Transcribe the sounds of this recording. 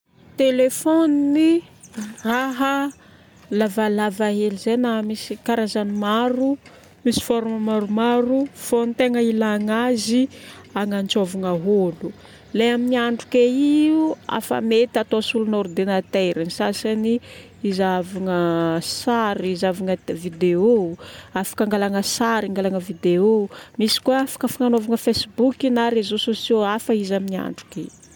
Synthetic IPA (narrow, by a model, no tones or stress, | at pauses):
t̪elefonni | raɦə | lavalavaɦelizejnamisikaɾazanimaɾu | misi̥foɾuməmaɾumaɾufonit̪eŋəilaŋaziaŋant͡sovaŋaɦolu | lejaminiaɳɖ͡ʐukeiua̰fa̰met̪at̪osulunoɾud̪enat̪ejɾanisasani | izavaŋəsaɾiizavaŋəvid̪eoafḁkaŋɡalaŋəsaɾiŋɡalaŋəvid̪eomisi̥kuafḁkəfaŋanovaŋəfesibukinaɾezososioafəizaminia̰ɳɖ͡ʐu̥keḭu